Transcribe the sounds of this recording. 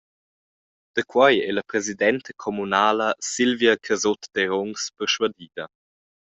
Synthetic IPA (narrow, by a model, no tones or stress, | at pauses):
d̪̥əkʰwajɛlɐpɾɛzidɛntəkʰɔmunaːləsilviakʰəzot̪d̥ɛɾɔŋspəɾʃwadiːdɐ